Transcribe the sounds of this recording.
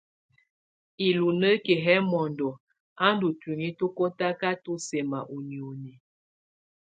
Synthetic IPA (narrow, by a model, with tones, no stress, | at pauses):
i˨lu˨nə˦ke˨ɦɛ˦mɔ˨ndɔ˨ | a˦n˦du˨ti˨ŋi˦to˦ko˦ta˦ka˦to˦se˨ma˨ʔu˨ni˨o˨ni˨